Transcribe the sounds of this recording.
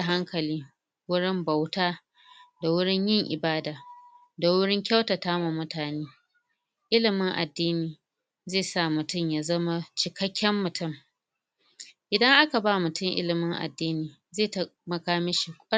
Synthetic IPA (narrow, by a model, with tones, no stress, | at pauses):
ɦa˦ŋkɐ˨liː˦ | wʊ˦ɽɪ˦mba˨wtaː˦ | da˨wʊ˦ɽɪ˦ɲjɪ˦ŋʔɪ˨baː˦daː˨ | da˨wʊ˦ɽɪ˦ŋkʲa˦wta˨taː˦ma˨mʊ˦taː˨neː˦ | ʔɪ˦lɪ˨mɪ˦ŋʔa̰˨dːiː˦niː˨ | zeː˦˨sa˦˨mʊ˨tʊ˦˨mja˨zɐ˦ma˦t͡ʃɪ˨kɐ˦kʲːɛ˦mːʊ˨tʊ˦˨m | ʔɪ˨dɐ˦ŋʔa˦ka˨baː˦mʊ˨tʊ˦˨ŋʔɪ̰˦lɪ˨mɪ˦ŋʔa̰˨dːiː˦niː˨ | zeː˦˨tɐ˦mɐ˨kaː˦mɪ˦ʃi˨kʷʼɐ˦